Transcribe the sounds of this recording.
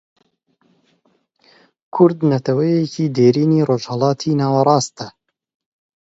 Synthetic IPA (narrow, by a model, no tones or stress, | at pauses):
kʰʊɾd̪nɐt̪ʰɐwɛjecʰiːd̪eːɾiːniːroːʒhɛlɑːt̪ʰiːnɑːwɐɾˤɑːst̪ɐ